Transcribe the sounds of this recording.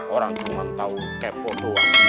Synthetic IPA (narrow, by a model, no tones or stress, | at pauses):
ɔɾaŋt̪uumant̪au | kɛpɔloa